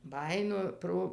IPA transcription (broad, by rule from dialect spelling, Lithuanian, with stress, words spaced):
ˈbɑːjɪnoː ˈproː